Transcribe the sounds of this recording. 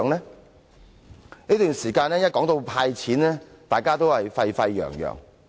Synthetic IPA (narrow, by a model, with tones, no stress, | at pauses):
ŋlɛː˥ | niː˥t̪yː˨˩ŋsiː˨˩kaː˧nlɛː˥jɐ˥t̚kɔː˨˥ŋt̪o˧wpʰaː˧jt͡sʰiː˨˥nlɛː˥t̪aː˨jkaː˥t̪o˥whɐ˨jfɐ˧jfɐ˧jːœ̰ː˨˩ŋjœ̰ː˨˩ŋ